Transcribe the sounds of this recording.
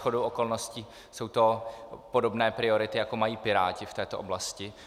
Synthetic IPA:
xodowoko̞lno̞sciː | so̞wt̪o̞po̞do̞bnɛːpɾɪo̞ɾɪt̪ɪjako̞majiːpɪɾaːcɪft̪ɛːt̪oʔoblascɪ

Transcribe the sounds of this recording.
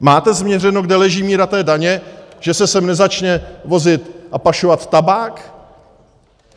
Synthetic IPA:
maːt̪ɛzmɲɛrɛnoɡdɛlɛʒiːmiːɾat̪ɛːdaɲɛʒ̥ɛsɛsɛmnɛzat͡ʃɲɛvo̞zɪt̪ʔapaʃovat̪ːabaːk

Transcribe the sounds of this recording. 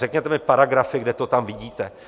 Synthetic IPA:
ɛkɲɛt̪ɛmɪpaɾaɡɾafɪɡdɛt̪o̞t̪amvɪɟiːt̪ɛ

